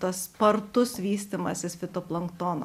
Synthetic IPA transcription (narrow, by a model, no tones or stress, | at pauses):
t̪ɐspɐɾt̪ʊsʋʲiːsʲt̪ʲimɐsʲɪsfʲɪt̪oːplˠɐŋkt̪oːnɐ̰